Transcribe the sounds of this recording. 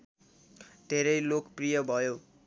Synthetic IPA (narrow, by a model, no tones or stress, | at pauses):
d̪ʱeɾʌjlokprijʌbʱʌjo